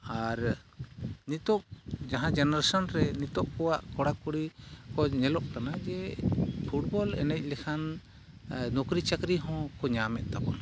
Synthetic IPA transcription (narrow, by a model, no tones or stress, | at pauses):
aɾ | nit̪ɔʔd͡ʒaɦãd͡ʒɛnaɾasɔnɾɛnit̪ɔʔkɔwaʔkɔɽakuɽikɔɲɛlɔʔkanad͡ʒɛpʰuʈ̚bɔlɛ̰nɛc̚ˀlɛkʰan | nɔkɾit͡ʃakɾiɦɔ̃kɔɲamɛt̪̚t̪akɔn